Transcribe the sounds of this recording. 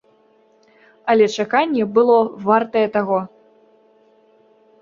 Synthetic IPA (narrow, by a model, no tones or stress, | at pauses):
ɐlʲɛt͡ʂakanʲːɛbɨlˠɔvart̪ɐjɛt̪aɣɔ